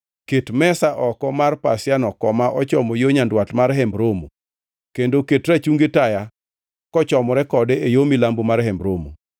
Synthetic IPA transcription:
ketmɛsaʔɔkɔmarpasjanɔkɔmaʔɔt͡ʃɔmojoɲandwatmarɦɛmbɾomo̰ | kendoketɾat͡ʃuŋɡetaja | kɔt͡ʃɔmɔɾɛkɔdeejomilambomarhɛmbɾomo̰

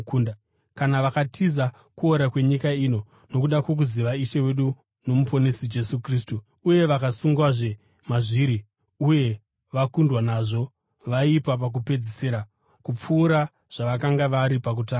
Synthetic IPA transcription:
unda | kanaʋakatʰiza | kuoɾakwe̞ɲikaino̞ | no̞kuɗakwo̞k̬uziʋaiʃewe̞ɗu | no̞mupo̞nesid͡ʒe̞sukriːstuː | je̞ʋakasuŋɡwaʐe̞ | maʐiːɾi | uje̞ | ʋakundwanaʐo̞ | ʋaipap̬ak̬upe̞d͡ziseɾa | kup͡fuːɾa | ʐ̥aʋakaŋɡaʋaɾipak̬utaː

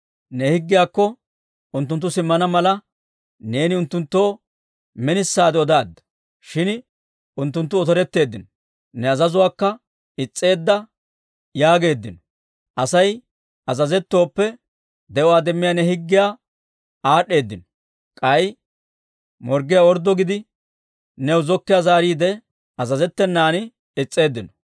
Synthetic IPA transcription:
nɛhɪɡːɪjaːkːɔ | ʊnt̪ːʊnt̪ːʊsɪmːɐnɐmɐlɐ | ne̞ːnɪʊnt̪ːʊnt̪ːo̞ː | mɛnɪsːaːd̪ɛɔd̪aːd̪ːɐ̥ | ʃɪn | ʊnt̪ːʊnt̪ːʊɔt̪ɔɾɛt̪ːe̞ːd̪ːɪnɔ | nɛɐzɐzʊwaːkːɐ | ɪt͡sʼːe̞ːd̪ːɐ | jaːɡe̞ːd̪ːɪnɔ̥ | ʔɐsɐj | ʔɐzɐzɛt̪ːo̞ːpːɛ | d̪ɛɔwaːd̪ɛmːɪjanɛhɪɡːɪjaː | aːɗːe̞ːd̪ːɪnɔ̥ | kʼɐj | mɔɾɡɪjaɔɾd̪ːɔɡɪd̪ɪ | nɛwzɔkːɪjaːzaːɾiːd̪ɛ | ɐzɐzɛt̪ːɛnːaːnɪ | ɪt͡sʼːe̞ːd̪ːɪnɔ̥

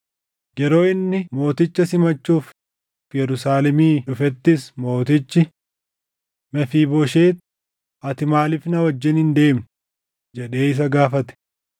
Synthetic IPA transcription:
jɛɾo̞ːɪnːɪmo̞ːt̪ɪt͡ʃːɐsɪmɐt͡ʃːuːf | jɛɾʊsaːlɛmiːᶑʊfɛt̪ːɪsmo̞ːt̪ɪt͡ʃːɪ | mɛfiːboʃeːt̪ | ʔɐt̪ɪmaːlɪfnɐwɐd͡ʒːɪnhɪnd̪e̞ːm | d͡ʒɛᶑe̞ːɪs̬ɐɡaːfɐt̪ɛ̥

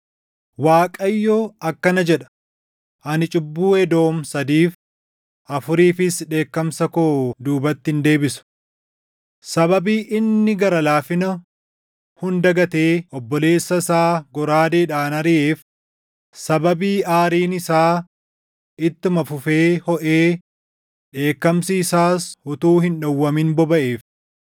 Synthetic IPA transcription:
waːkʼɐjːoːɐkːɐnɐd͡ʒɛᶑɐ̥ | ʔɐnɪt͡ʃʼʊbːuːɛd̪o̞ːmsɐd̪iːf | ʔɐfʊɾiːfɪsᶑe̞ːkːɐmsɐkod̪uːbɐt̪ːɪɪnd̪e̞ːbɪsʊ̥ | sɐbɐbiːʔɪnːɪɡɐɾɐlaːfɪnɐ | hʊnd̪ɐɡɐt̪eːɔbːɔle̞ːsːɐɪsaːɡɔɾaːd̪eːᶑaːnɐɾɪʔe̞ːf | sɐbɐbiːʔaːɾiːnɪsaː | ɪt̪ːɪmɐfʊfe̞ːhɔʔeː | ᶑe̞ːkːɐmsɪːsaːshʊt̪uːhɪnᶑɐwːɐmɪnbɔbɐʔeːf

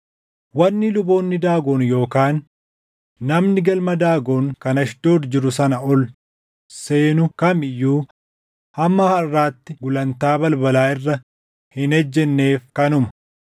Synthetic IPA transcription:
wɐnːɪlʊbo̞ːnːɪd̪aːɡoːnjo̞ːkaːnː | ɐmnɪɡɐlmɐd̪aːɡoːŋkɐnɐʃd̪̥oːd̪d͡ʒɪɾʊsɐnɐɔl | se̞ːnʊkɐmɪjːuː | hɐmːɐhɐrːaːt̪ːɪɡʊlɐnt̪aːbɐlbɐlaːɪrːɐ | hɪnɛd͡ʒːɛnːe̞ːfkɐnʊmɐ̥

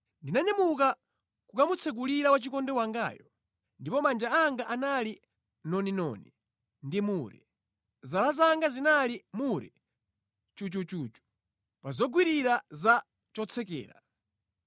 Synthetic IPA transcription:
ndinaɲamuka | kukamut͡sʰɛk̬uliɾawat͡ʃikɔndɛwaŋɡa̰ːjɔ | ndipɔmand͡ʒaaŋɡaʔanali | nɔninɔ̰ni | ndimuːɾɛ̰ | zalazaŋɡazinalimuɾɛ̰ | t͡ʃut͡ʃut͡ʃuːt͡ʃu̥ | pazɔɡwiɾiɾaza | t͡ʃɔt͡sʰɛkɛ̰ːɾa

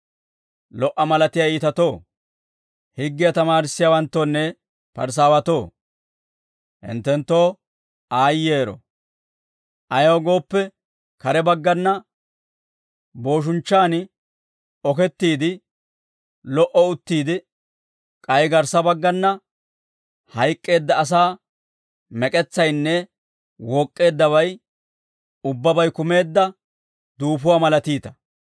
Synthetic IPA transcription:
lɔʔɐmɐlɐt̪ɪjaiːt̪ɐt̪o̞ː | hɪɡːɪjɐt̪ɐmaːɾɪsːɪjawɐnt̪ːonːɛ | pɐ̰ɾs̬aːwɐt̪o̞ː | hɪ̰nt̪ːɛnt̪ːo̞ː | aːjːeːɾɔ̰ | ʔɐjoːɡo̞ːpːɛ | kɐɾɛbɐɡːɐnːɐ | bo̞ːʃ̬ʊnt͡ʃːaːnɪ | ɔkɛt̪ːiːd̪ɪ | lɔʔɔʊt̪ːiːd̪ɪ | kʼɐjɡɐɾsɐbɐɡːɐnːɐ | hɐjkʼːe̞ːd̪ːɐːs̬aː | mɛkʼɛt͡sːɐjnːɛ | wɔːkʼːe̞ːd̪ːɐβɐj | ʊbːɐbɐjkʊme̞ːd̪ːɐ | d̪uːfʊwaːmɐlɐt̪iːt̪ɐ̥

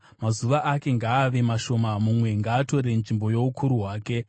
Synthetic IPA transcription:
mazuʋaʔake̞ŋɡaːʋe̞maʃo̞mamumwe̞ŋɡaːto̞ɾe̞nʐimbo̞jo̞ukʰuɾuɦwaːke̞

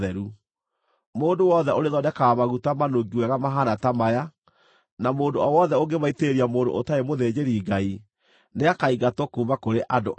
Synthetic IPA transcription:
ɛɾu | moːndowɔðɛoɾeðɔdɛkamaɣutamanoɡiwɛɣamaɦanatamaja | namoːndoɔwɔðɛoɡemaiteeɾiamoːdo̰otaemoðeːd͡ʑeɾiɡai | neakaiɡatoɔkuːmakoɾeʔadoʔ

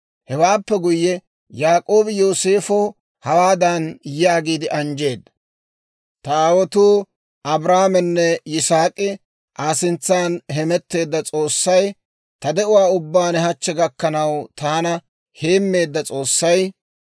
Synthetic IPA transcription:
hɛwaːpːɛɡʊjːɛ | jaːkʼo̞ːbɪjoːse̞ːfɔ | hɐwaːd̪ɐnjɪjaːɡiːd̪ɪʔɐnd͡ʒe̞ːd̪ːɐ̥ | t̪ɐaːwɔt̪uː | ʔɐbɾaːmɛnːɛjɪsaːkʼɪ | ʔaːsɪnt͡sːaːnhɛmɛt̪ːe̞ːd̪ːɐt͡sʼo̞ːsːɐj | t̪ɐd̪ɛʔʊwaːʊbːaːnɛhɐt͡ʃːɛɡɐkːɐnɐwt̪aːnɐ | he̞ːmːe̞ːd̪ːɐt͡sʼo̞ːsːɐj

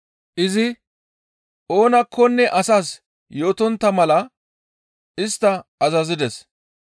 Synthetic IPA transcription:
ʔɪzɪ | ʔo̞ːnɐkʰːɔnːɛʔɐsaːs | jo̞ːt̪ɔnt̪ːɐmɐlɐ | ɪst̪ːɐɐzɐzɪd̪ɛs

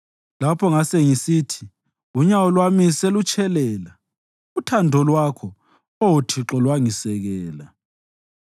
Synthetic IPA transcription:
lapʰɔŋaseŋisiːtʰi̥ | uɲawɔlwamiselut͡ʃʼʰɛlɛːla | utʰandʱɔlwakʰɔ | owutʰiǁɔlwaŋisɛɣɛːla

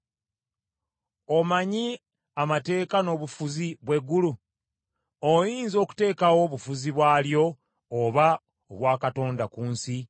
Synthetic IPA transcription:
o̞maɲi | amate̞ːkano̞βufuziβwe̞ɡːulu | ojiːnzo̞ːku̥te̞ːkawo̞βufuziβwaːljo̞ː | βa | oβwaːkato̞ːndakuːnsi

